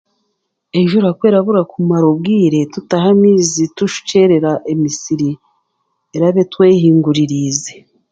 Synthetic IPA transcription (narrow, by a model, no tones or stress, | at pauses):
eʒuɾakwe̞ːɾaβuɾakumaɾob̚ɡiːɾe̞tutaɦamiːzituʃu̥ce̞ɾe̞ɾaʔemisiɾi | eɾaβe̞twe̞ːhiːŋɡuɾiɾize